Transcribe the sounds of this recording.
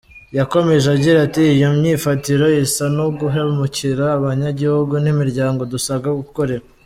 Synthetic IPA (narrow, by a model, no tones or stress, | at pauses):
jako̞me̞ʒaɟiɾatiːjomɲiːfatiɾo̞jisanoɡuɦemuciɾaːβaɲaɟihuɡunimiɾɟaːŋɡo̞dusaɡaɡuko̞ɾe̞ɾa